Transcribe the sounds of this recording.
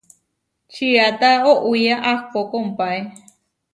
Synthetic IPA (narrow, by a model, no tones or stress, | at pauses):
t͡ʃʰiat̪aoʔuijaʔahpokoumpae